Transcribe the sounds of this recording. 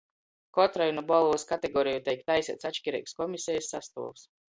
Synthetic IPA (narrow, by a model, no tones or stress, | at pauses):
kɔt̪ɾajunubɔlˠuvɨskat̪ɛɡɔːɾijut̪ɛjk̚t̪ajsʲḭːt̪sat͡ʃʲkʲiɾʲɛ̰kskɔmisʲɛjsːast̪ṵɔvs